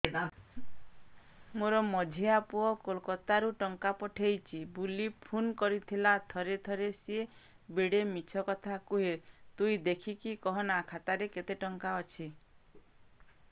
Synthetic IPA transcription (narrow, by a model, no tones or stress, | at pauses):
moɾɔmɔd͡ʒʱiapuɔkolkɔt̪aɾuʈɔŋkapɔʈʰejt͡ʃʰibulipʰunkɔɾit̪ʰilat̪ʰɔɾet̪ʰɔɾesie | beɽemit͡ʃʰɔkɔt̪ʰakuɦet̪uid̪ekʰikikɔɦɔnakʰat̪aɾeket̪eʈɔŋkaɔt͡ʃʰi